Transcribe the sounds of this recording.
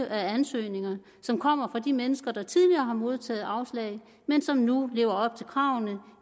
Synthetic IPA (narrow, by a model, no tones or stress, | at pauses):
ʔæænsø̰ːne̝ŋɐ | sɒ̽mkʰɒ̽m̰ɐfʁɑ̈d̥imenəsɡ̥ɐd̥ɑ̈t͡sʰið̞ˠliɐːɦɑ̈mo̝ð̞ˠt͡sʰɛ̰ːð̩ˠɑ̈ʊslɛ̰ɪ | mensɒ̽mnule̝̰ːʊɐɒ̽b̥̚t͡sʰe̝lkʰʁɑ̈ʊ̰nə